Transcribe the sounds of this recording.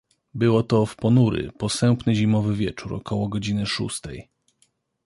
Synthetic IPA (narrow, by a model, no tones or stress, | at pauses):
bɘwɔt̪ɔfpɔnuɾɘ̰pɔsɛmpnɘʑimɔvɘvʲjɛt͡ʂuɾɔ̰kʰɔwɔɡɔd͡ʑinɘʂṵst̪ɛ̰j